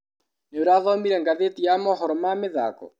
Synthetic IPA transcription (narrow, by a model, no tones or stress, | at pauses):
neoɾaðɔmiɾɛŋɡaðetijamɔɦɔɾɔmameða̰kɔ̰